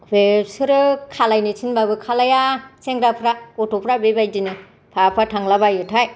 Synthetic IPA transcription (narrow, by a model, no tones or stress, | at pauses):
bepsɯɾɯkʰalajnɯtʰinbabɯkʰalajaseŋɾapʰɾaɔtopʰɾabebajdinɯ | pʰapʰɾatʰaŋlabajɯtʰaj